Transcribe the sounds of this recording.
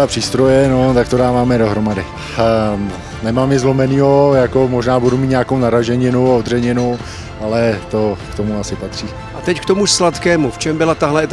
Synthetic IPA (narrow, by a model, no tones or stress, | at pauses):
apr̥iːst̪ɾo̞jɛnot̪ak̚t̪o̞daːvaːmɛdo̞ɦɾo̞madɪ | nɛmaːmɪzlo̞mɛniːɦo̞jakomoʒnaːbudumiːt̪ɲaːkownaɾaʒɛɲɪnowaod̪rɛɲɛnow | ʔalɛt̪o̞kt̪o̞muasɪpat̪r̝̥iː | ʔat̪ɛckt̪omuʃslat̪kɛːmuft͡ʃɛmbɪlat̪aɦlɛt̪